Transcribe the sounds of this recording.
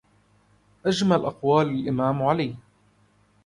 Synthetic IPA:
ʔad͡ʒmalʔɑqwaːlalʔɪmaːmʕaliː

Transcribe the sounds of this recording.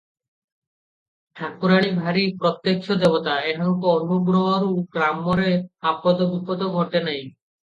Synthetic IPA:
ʈʰakuɾaɽ̃ibʱaɾipɾɔt̪jekʰod̪ebot̪aeʈʰɔŋkoɔɾubobɾɔɦoɾuɡɾamːoɾeapɔd̪obupɔd̪oɡʱɔʈenaj

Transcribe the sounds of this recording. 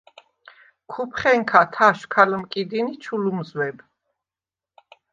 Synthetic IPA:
kʰupʰχɛŋkʰat̪ʰaʃkʰalmkʼid̪init͡ʃʰulumzwɛb

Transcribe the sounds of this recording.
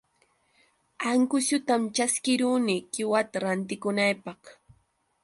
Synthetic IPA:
aŋkʊsʊt̪amt͡ʃaskɪɾuːnikɪwat̪aɾant̪ɪkʊnajpɑχ

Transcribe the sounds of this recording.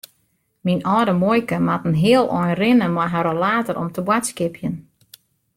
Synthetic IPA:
minɔːdəmojkəmatən̩ɦɪəlˠʔɔjnrɪnəmɔjɦaɾolaːtəɾʔɔ̰mtʰəbwatskɪpʰjən

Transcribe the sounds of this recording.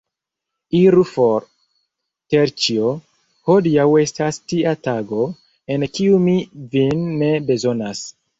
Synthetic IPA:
iɾufoɾ | teɾt͡ʃio | hodiawe̞stastiataɡo̞ | e̞nkiumivinːe̞be̞zo̞nas

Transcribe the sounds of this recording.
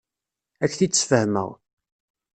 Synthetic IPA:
ækːθit͡sːfəhmə̰ʁ

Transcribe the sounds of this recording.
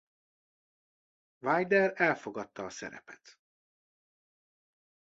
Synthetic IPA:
vajd̪ɛɾɛlfo̞ɡɒt̪ːɒːsɛ̰ɾɛ̰pɛ̥t̪

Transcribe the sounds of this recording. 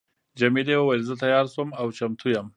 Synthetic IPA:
d͡ʒɐmid̪ewawajlzət̪ajɑːɾsomawt͡ʃamt̪ʰujam

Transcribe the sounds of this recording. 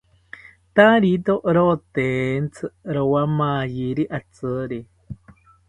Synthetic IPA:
t̪aɾit̪oʔɾot̪ent͡sʰɨɾowamajiɾiʔat͡sɨɾi

